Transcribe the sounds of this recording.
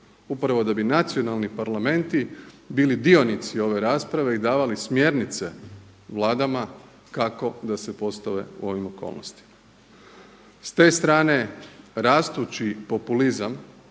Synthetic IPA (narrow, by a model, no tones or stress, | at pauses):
upɾaʋo̞d̪abinat̪sijo̞nalˠnipaɾlame̞nt̪i | biːlid̪io̞nit̪sio̞ʋe̞ɾaːspɾaʋe̞id̪aːʋalismje̞ɾnit̪se̞ | ʋlˠaːd̪ama | kako̞d̪ase̞po̞st̪aʋe̞̰ṵo̞ʋimo̞ko̞̰lno̰st̪i̥ma | st̪e̞ːst̪ɾaːne̞ɾaːst̪ut͡ʃipo̞pulizam